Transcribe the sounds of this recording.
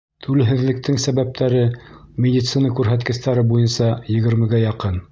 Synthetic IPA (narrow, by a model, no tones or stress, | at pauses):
t̪ʰʉlɘ̆ɦɘ̆ðlɘ̆k̚t̪ʰɘŋsæβæp̚t̪ʰæɾɘ | mʲɪd̪ʲit̪sɨnɑkʉɾɦæt̪kɘ̆st̪æɾɘbujɤnsɑjɘ̆ɣɘ̆ɾmɘ̆ɡæjɑqɤn